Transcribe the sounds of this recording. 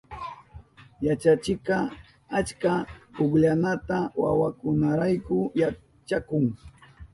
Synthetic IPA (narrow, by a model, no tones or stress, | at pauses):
jat͡ʃat͡ʃɪkɑ | at͡ʃkaʊkʎanat̪awawakʊnaɾajkʊja | t͡ʃakʊŋ